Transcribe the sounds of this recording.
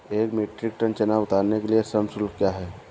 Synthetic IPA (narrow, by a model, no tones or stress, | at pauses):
eːkmeːʈɾɪk̚ʈənt͡ʃənaʊt̪aːɾnekeliesəmsʊlkkːjaɦɛː